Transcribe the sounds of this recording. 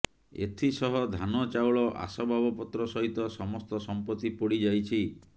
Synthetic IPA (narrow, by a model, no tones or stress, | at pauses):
ḛt̪ʰisɔɦɔd̪ʱanɔt͡ʃawɭɔʔa̰sɔbʱabɔpɔt̪ɾɔsɔɦit̪ɔsɔmɔst̪ɔsɔmpɔt̪ipoɽid͡ʒajt͡ʃʰi